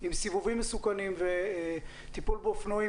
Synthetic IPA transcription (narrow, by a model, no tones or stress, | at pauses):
imsivuvimːesukanimve | t̪ipulbofnoi